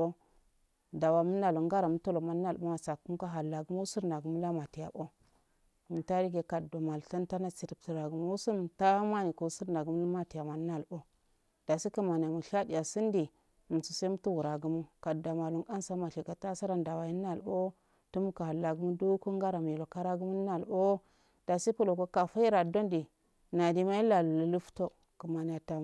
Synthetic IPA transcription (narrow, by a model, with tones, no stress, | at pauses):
o˦ | da˨wa˨mu˦n˦a˨lu˨ŋɡa˦ɾa˨mu˦to˦lo˨ma˨nː˦a˦˨lɓo˦ma˨sa˨ku˦m˦ka˦ɦa˨lːa˨ɡu˦mu˦u˦su˦ɾna˨ɡu˨mu˦la˦ma˨ti˨ja̰˨bo˦ | mu˨ta˦ɾi˦ɡe˨ka˨do˨ma˨lɬa˦nta˦na˦t͡si˨ɾi˨p̚ti˨ɾa˨ɡu˨mo˦wu˦su˦m˨ta˦ma˦ni˨ko˨u˦su˦ɾna˨ɡu˨˦m˦lma˦ti˨ja˨ma˨n˦na˦˨lbo˦ | d̥a˨si˦ka˦ma˨n˨a˨mu˨ʃa˦di˨ja˨si˦ndi˨ | mu˨su˨se˦m˦tu˦wu˨ɾa˨ɡu˦mu˦ka˨da˨ma˨lu˨ŋka˦nsa˦ma˨ɬi˨ka˨ta˦sa˦ɾa˦nda˨wa˨ji˦na˨lo˦ | tu˦mu˦ka˨ha˨lːa˨ɡu˦mu˦do˦ko˦ŋɡa˦ɾa˨m˨i˨lo˨ka˦ɾa˦ɡu˦mu˦n˦na˨lo˦ | d̥a˨si˦pu˦lo˨ko˦ka˨fa˦i˦ɾa˨do˦ndi˨ | na˨di˦ma˦i˦la˨lu˨lə˨lu˦fto˦ | kə˨ma˨ni˨ja˨ta˨